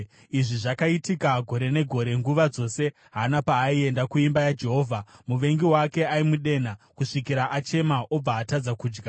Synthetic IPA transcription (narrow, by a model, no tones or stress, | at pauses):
iʐiʐakaitikaɡʱo̞ɾe̞ne̞ɡʱo̞ɾe̞ŋɡuʋad͡zo̞se̞ | ɦanapaːie̞ndakuimbajad͡ʒe̞ɦo̞ːvʱamuʋe̞ŋɡiwake̞aimuɗe̞nakuʂikiɾaʔat͡ʃe̞maʔo̞b͡vaːtad͡zakuːd͡ʒɡa